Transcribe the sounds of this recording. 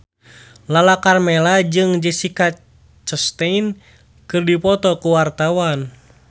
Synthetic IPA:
lalakarmɛlad͡ʒɨŋd͡ʒɛsika | t͡ʃəst̪ɛin | kɨrdipɔt̪ɔkuwart̪awan

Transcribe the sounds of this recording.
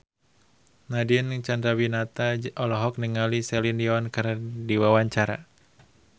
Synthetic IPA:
nadint͡ʃandɾawinat̪aɔlɔɦɔk̚niŋalisɛlindiawankərdiwawaɲt͡ʃaɾa̰

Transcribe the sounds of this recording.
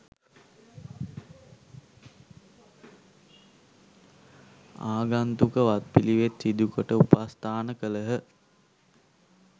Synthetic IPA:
aːɡant̪ukəʋat̪̚piliʋet̪sid̪ukəʈəupast̪aːnəkələɦə

